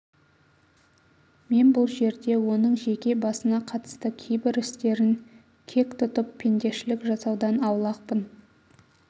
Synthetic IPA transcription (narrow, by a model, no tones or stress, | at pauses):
me̞nbʊlˠʒe̞ɾd̪e̞wo̞nəɴʒe̞kʲe̞bɑsənɑqʰɑt̪ə̥st̪əkʲʰejbɪɾɪst̪e̞ɾɪŋ | kʲʰe̞kʲt̪ʰʊt̪əpʰːe̞nd̪e̞ʃɪlɪkʒɑsɑwd̪ɑnɑwlˠɑq̚pən